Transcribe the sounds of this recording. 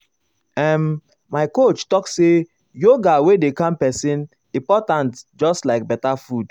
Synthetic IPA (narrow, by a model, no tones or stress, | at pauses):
ɛmː | aɪkot͡ʃtɔkse | joɡawedekãmpɛsĩn | ĩpɔtãntd͡ʒɔstlaɪk̚bɛtafud